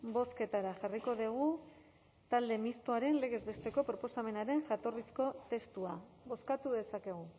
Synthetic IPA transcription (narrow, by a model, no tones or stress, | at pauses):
bo̞ske̞t̪aɾaxariko̞ðiɣ̞u | t̪ald̪e̞mist̪oaɾe̞nle̞ɣe̞zβe̞st̪e̞ko̞pɾo̞po̞same̞naɾe̞nʝat̪o̞risko̞t̪e̞st̪ua | βo̞skat̪uðe̞sake̞ɣ̞u